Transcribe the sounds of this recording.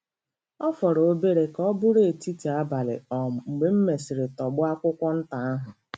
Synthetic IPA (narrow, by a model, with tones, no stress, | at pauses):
ɔ˦fɔ˨ɾo˦be˦ɾe˨kɔ˦bʊ˦ɾe˦˨ti˦ti˨a˦ba˨lɪ̰˨ɔ˨ŋ͡m̩˨ɡ͡be˨m̩˦me˨sɪ˨ɾe˨tɔ˨ɡ͡bʊ˦a˦kʷʊ˦kʷɔ˦n̩˦ta˨a˦ɦʊ˨